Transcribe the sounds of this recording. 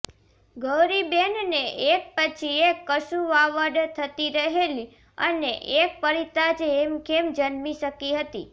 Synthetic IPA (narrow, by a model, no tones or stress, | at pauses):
ɡəʋɾibenneʔek̚pət͡ʃʰiekːəʃuʋaʋəɖt̪ʰət̪iɾəɦeli | əneʔek̚pəɾit̪ad͡ʒemkemd͡ʒənmiʃəkiɦət̪ḭ